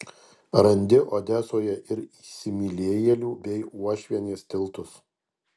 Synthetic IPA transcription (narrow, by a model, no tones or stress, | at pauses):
ɾɐnʲd̪ʲɪʔoːd̪ʲæːsoːjɛʔɪɾisʲɪmʲilʲeːjɛlʲuːbʲɛɪuɔʃʲʋʲiɛnʲeːst̪ʲɪlˠt̪ʊs